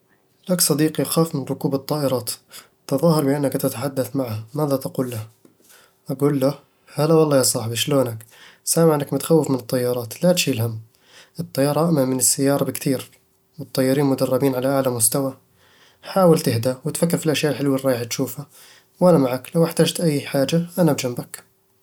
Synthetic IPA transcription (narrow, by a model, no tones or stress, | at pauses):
laksˤɑd̪iːqiʔaxaːfmɪnɾʊkuːbɨt̪ˤːɑːʔɪɾˤɑːt̪ | t̪ɑðˤɑːhɑɾˤbɪʔanːakt̪at̪aħad̪ːaθmaʕhamaːðat̪aquːlːah | ʔaɡuːlːa | halːawɑlˤːɑːjɑsˤɑːħbiʃloːnak | saːmɪʕɪnːakmʊt̪ḁxawːɪfmɪnɨt̪ˤːɑjːɑɾˤɑːt̪lat̪ʃiːlham | ʔɨt̪ˤːɑjːɑːɾˤɑʔaʔmamɪnɪsːajːɑːɾˤɑbɪkt̪ʰiːɾ | wɨt̪ˤːɑjːɑɾiːnmʊd̪ɑrˤːɑbiːnʕalaʔaʕlamʊst̪awa | ħaːwɪlt̪ɪhd̪awɪt̪fakːɪɾfilʔaʃjaːʔɪlħɪlwɪrˤːɑːjħt̪ʃuːfa | wʔanamaʕaklawʔɪħt̪aːd͡ʒt̪ʔajːħaːd͡ʒaʔanabd͡ʒambak